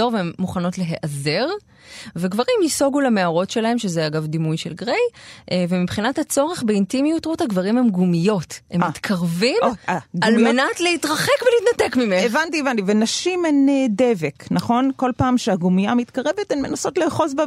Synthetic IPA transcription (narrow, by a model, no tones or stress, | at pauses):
oʁveemːuχano̞tle̞ɦeʔaze̞ʁ | veɡvaʁimiso̞ɡulemeaʁo̞tʃe̞lahe̞mʃezeaɡavdimujʃelɡʁejʔvemibχinathat͡so̞ʁe̞χbeintimijutʁuthaɡvaʁimhemɡumijo̞themit̪kʰaʁvimaɡallmenatleitʁɐχekveliːtnatekmimeevantievantivenaʃimenedeveknaχo̞nko̞lpaːmʃeaɡumijamit̪kaʁevetemmenaso̞tleːχo̞sbe